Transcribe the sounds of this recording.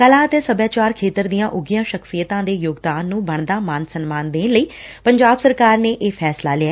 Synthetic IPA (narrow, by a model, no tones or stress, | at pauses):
kəlãːət̪eːsəbjãːt͡ʃaːɾkʰeːt̪əɾd̪ijãːʔʊɡɪjãːʃəksijət̪ãːd̪eːjoːɡd̪aːnːũːbəɳd̪aːmaːnsənmaːnd̪ẽːnləiːpəɲd͡ʒaːbsəɾkaːɾneːʔeːpʰɛːsla̰ːlɪaː